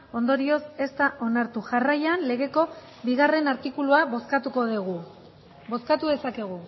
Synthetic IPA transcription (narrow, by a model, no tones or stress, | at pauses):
o̞nd̪o̞ɾio̞se̞st̪aʔo̞naɾt̪uʝarajanle̞ɣe̞ko̞ | biɣ̞are̞naɾt̪ikuluaskat̪uko̞ðiɣu | bo̞skat̪uðe̞sakeɣ̞u